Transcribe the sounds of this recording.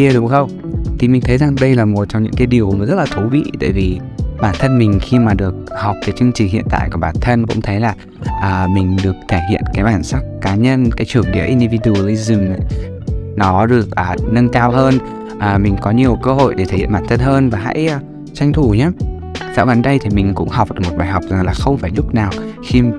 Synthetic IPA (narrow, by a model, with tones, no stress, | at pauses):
i˧ə˧ɗʊ˨˦ŋ͡mxə˧wŋ͡m | t̪ʰi˨˩mi̟˨˩t̪ʰə˨˦jza˨˩ŋɗə˧jlaː˨˩mo˨˩t̚t͡ɕɔ˧ŋ͡mɲɨ̰˧˥ŋkaː˨˦jɗi˨˩əwzə˦˥t̚laː˨˩t̪ʰu˨˦vḭ˧˨t̪a̰ː˧˨jvi˨˩ | ɓaː˧˩nt̪ʰə˧nmï˨˩ŋ̟xi˧maː˨˩ɗɨ˨˩ək̚hɔ˨˩wk͡p̚ke˨˦t͡ɕɨ˧ŋt͡ɕi̟˨˩hḭ˧˨ənt̪a̰ː˧˨jku˧˩ɓaː˨˩nt̪ʰə˧nkʊ̰˧˥ŋ͡mt̪ʰə˨˦jlaː˨˩ | ʔəː˨˩mï˨˩ŋ̟ɗɨ˨˩ək̚t̪ʰe˧˩hḭ˧˨ənkaː˨˦jɓaː˧˩nsa˦˥k̚kaː˨˦ɲə˧nkaː˨˦jt͡ɕɨ˨˩əŋɗi˨˦ʔi˧nɗi˧vi˧ɗu˨˧ə˨˧li˧zɨ˨˩m˨˦ | nɔ˨˦ɗɨ˨˩ək̚ʔəː˨˩nə˧nkaː˧wɦəː˧n | ʔaː˨˩mï˨˩ŋ̟kɔ˨˦ɲi˨˩əwkəː˧ho̰˧˨jɗe˧˩t̪ʰə˨˩jhɓaː˧˩nt̪ʰə˧nɦəː˧nvaː˨˩ɦa̰˧˥jʔ | t͡ɕa˧jŋ̟t̪ʰu˧˩ɲaː˨˦ | za̰ː˧˥wɓaː˨˦nɗə˧jt̪ʰi˨˩mï˨˩ŋ̟kʊ̰˧˥ŋ͡mha˨˩wk͡p̚mo˨˩t̚ɓaː˨˩jɦɔ˨˩wk͡p̚za˨˩ŋlaː˨˩xə˧wŋ͡mfaː˧˩jlʊ˦˥k͡p̚naː˨˩wxi˧